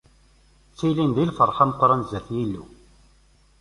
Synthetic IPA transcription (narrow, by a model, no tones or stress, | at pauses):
t͡sːilinðilfəɾˤħɑmqːɾˤɑnzːæθjilːṵ